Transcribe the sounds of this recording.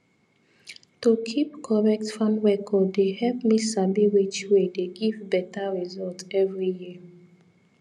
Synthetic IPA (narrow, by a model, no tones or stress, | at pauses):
tokʰip̚kʰɔɹɛk̚tfãndwɛkʰɔdehɛlpmisabiwit͡ʃwedeɡivbɛtaɹizɔltɛvɹijiə